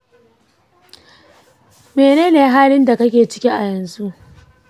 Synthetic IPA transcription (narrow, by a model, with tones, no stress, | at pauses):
meː˨neː˦neː˨˦ɦaː˦lɪ˦nda˨kɐ˦kʲeː˨t͡ʃɪ˦kʲi˦ʔa˨jɐ˨nzu˦ʔ